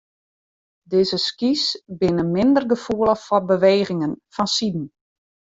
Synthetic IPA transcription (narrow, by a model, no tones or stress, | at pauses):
dɪːzəskisbɪnəmɪndərɡəfuələxfɔbəʋeːɣɪŋənfɔnsidn̩